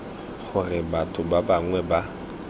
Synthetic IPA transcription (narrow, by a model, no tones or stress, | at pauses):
χʊrɪbatʼʊbabaŋwɛba